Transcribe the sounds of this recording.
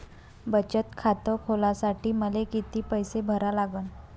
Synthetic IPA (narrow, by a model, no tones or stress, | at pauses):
bət͡ɕət̪kʰat̪əkʰolasaʈiːməlekit̪iːpəjsebʱəɾalaɡən